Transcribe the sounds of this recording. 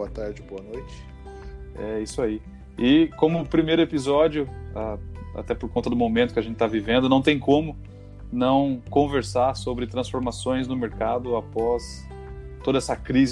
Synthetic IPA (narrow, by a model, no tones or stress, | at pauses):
boɐt̪aɾd͡ʒɪboɐnojt͡ʃɪ̥ | ɛisʊai | ɪkõmʊpɾimejɾʊepizɔd͡ʒjʊaa̰t̪ɛpoɾkõnt̪ɐd̪ʊmomẽnt̪ʊ̥kɪɐʒẽnt͡ʃɪt̪avivẽnd̪ʊnɐ̃w̃t̪ẽj̃kõmʊ | nɐ̃w̃kõveɾsaɾsobɾɪt̪ɾɐ̃sfoɾmasõj̃znʊmeɾkad̪ʊapɔs | t̪od̪ɐɛsɐkɾiz